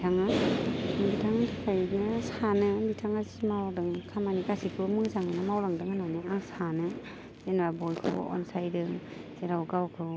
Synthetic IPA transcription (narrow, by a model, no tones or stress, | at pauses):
tʰaŋɯ | bitʰaŋtʰakʰajnɯsanɯbitʰaŋazmawdɯŋkʰamanikasikʰɯmɯzaŋɯnɯmawɾaŋdɯŋananɯaŋsanɯ | z̥enwabɔjkʰɯ̰ɔ̰nsajdɯŋz̥eɾawɡawkʰɯ